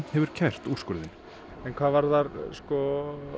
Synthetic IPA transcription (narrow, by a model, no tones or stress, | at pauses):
hɛvʏɾ̥cʰɛr̥t̪uskʏːlðɪn | ɛnkʰvaːvaɾðaɾskɔ